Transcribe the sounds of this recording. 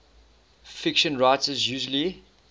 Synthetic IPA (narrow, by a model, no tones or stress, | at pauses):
fɪkʃə̃nɹaɪtəzjʉːʒəli